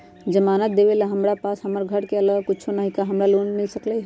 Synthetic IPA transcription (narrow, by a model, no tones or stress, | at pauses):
d͡ʒəmaːnət̪̚d̪eʋelaɦəmɾapaːsɦɐməɾɡʱəɽkeɐləɡkʊt͡ʃʰonəɦikaɦɐmɾaloːnnɐisəklə